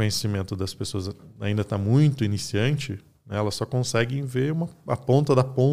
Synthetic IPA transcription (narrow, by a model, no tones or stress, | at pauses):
õɲesimẽnt̪ʊd̪ɐspesoɐza̰ĩnd̪ɐt̪amũj̃t̪ʊinisiɐ̃nt͡ʃɪ | nɛɛlɐsɔkõsɛɡɪẽveũmɐɐ̰põnt̪ɐd̪ɐpõ